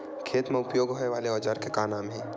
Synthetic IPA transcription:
kʰeːt̪mẽʊpjoːɡɦoeʋaːleɔːd͡ʒaɾkekaːnaːmɦɛ̃ː

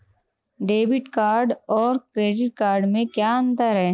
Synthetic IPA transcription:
ɖeːbɪʈkaːɾɖɔːɾkɾeːɖɪʈ̚kaːɾɖmẽkjaːɐ̃nd̪aɾɦɛː

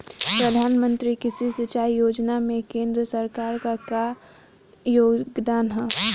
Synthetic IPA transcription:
pɾɐd̪ʱaːnmə̃nt̪ɾikɪsisɪt͡ʃaːijoːd͡ʒnamẽkẽːnd̪ɾəsɐɾkaːɾkaka | joːɡɡd̪aːnɦɛː

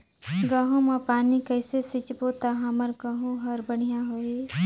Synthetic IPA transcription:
ɡaːɦõmãpaːnikɐɪsesɪt͡ʃbot̪aɦãməɾɡaːɦõɦɐɾbəɽ̃ijãɦoːi

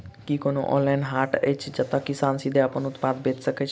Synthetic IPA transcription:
kikonoʔɔ̰̃lajnɦaʈet͡ʃʰd͡ʒət̪akisansid̪eapənut̪pad̪bet̪səket͡ʃʰ

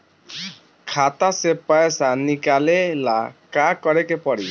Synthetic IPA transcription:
kʰat̪asepajsanikalelakakɔɽekepɔɽi

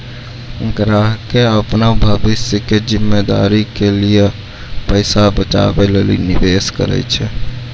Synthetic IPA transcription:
ɡɾaɦkeəpnabʱəbisjəked͡ʒimːed̪a̰ɾikelije | pəɪsabət͡ʃa̰belelḭnibeskəɾɛ̰jt͡ʃʰɛ

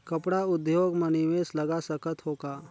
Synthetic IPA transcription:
kɐpɽaʊd̪joːɡməniʋeːslɐɡasəkət̪ɦoːkaː

